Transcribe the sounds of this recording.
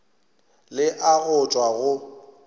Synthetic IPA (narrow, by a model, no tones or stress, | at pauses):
lɪʔaɣʊt͡ʃʼwaɣʊ